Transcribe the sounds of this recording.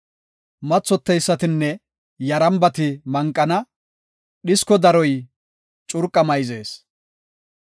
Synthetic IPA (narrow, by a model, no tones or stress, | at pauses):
mɐt͡sːɔt̪ːɛjsːɐt̪ɪnːɛ | jɐɾɐmbɐt̪ɪmɐŋkʼːɐnɐ | ɗɪskɔd̪ɐɾɔj | t͡ʃʼʊɾkʼːɐmɐjze̞ːs